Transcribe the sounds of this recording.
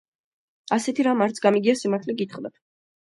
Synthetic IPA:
asɛt̪ʰiɾamaɾt̪sʰɡamiɡiasimaɾt̪ʰlɛɡit̪χd̪at̪ʰ

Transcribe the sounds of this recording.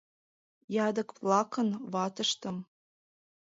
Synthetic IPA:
jɑd̪ɤ̆kplˠɑkənvɑt̪ə̆ʃt̪ə̆m

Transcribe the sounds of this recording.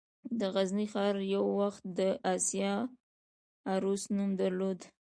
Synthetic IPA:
d̪əɣaznixɑɾjawːaxt̪̚d̪əʔasjɑ | aɾusnumd̪aɾlod̪

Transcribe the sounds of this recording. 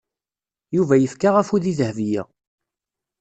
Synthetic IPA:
juvæjəfkaʁæfuðiðəhvijæ̰

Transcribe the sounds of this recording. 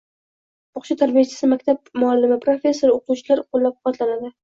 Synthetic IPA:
bɒqʃat̪ʰaɾbijat͡ʃʰɪ̥sɪmakʲt̪ʰab̚mʊalːɪmɪpʰɾo̞fʲe̞sːoɾoqut͡ʃʰɪlaɾqʰolˠːap̚qʰqɑt̪lanad̪ɪ

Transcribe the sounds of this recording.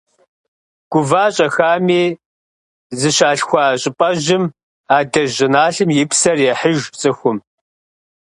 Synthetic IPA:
ɡ̥ʷʊvaːɕʼɐxaːmeː | zɨɕaːɬxʷaːɕʼɪpʼɐʒʑɪm | aːdɐʑɪnaːɬɨmjɪpsɐrjɛħəʒpt͡sʼɨxʷʊm

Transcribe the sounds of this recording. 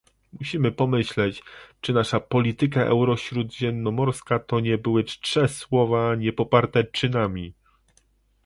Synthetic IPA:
muɕimɘpɔmɘɕlɛt͡ɕt͡ʂɘnaʂapɔlʲit̪ɘk̬aʔɛ̰wɾɔɕɾud̪ʑɛmnːɔmɔɾskat̪ɔɲɛbɘwɘʂɛswɔvaɲɛpɔpaɾt̪ɛt͡ʂɘnamʲi

